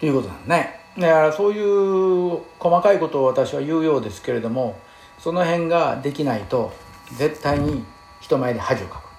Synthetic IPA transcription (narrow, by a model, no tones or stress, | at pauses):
t̪ojɯ̟kot̪onã̰ne | d̪aaɾaso̞ːjɯ̟ː | ko̞makaiko̞t̪o̞ːβat̪aɕiβajɯ̟ːjo̞ːd̪e̞sɨ̥ke̞ɾe̞d̪o̞mo̞ | so̞no̞ɦẽ̞ŋɡad̪e̞kʲinait̪o̞ | d͡ze̞t̪ːaiɲ̟i | çi̥t̪o̞mae̞ɾʲihaʑiokḁkɯ̥